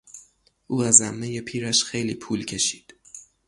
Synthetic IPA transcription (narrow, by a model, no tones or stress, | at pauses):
ʔuːæzæmːeje̞pʰiːɾæʃxejlḭːpʰuːlcʰe̞ʃi̥ːd̪̥